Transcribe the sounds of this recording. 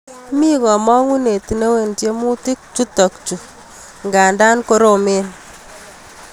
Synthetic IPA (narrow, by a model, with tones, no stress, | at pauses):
mi˦kɔ˨mɔ˦ŋu˦ne˨ti˨ne˦we˨ntje˦mu˦ti˦k̚t͡ʃu˦tɔ˨kt͡ʃu˨ | ŋɡa˨nda˦nko˦ɾo˨me˦n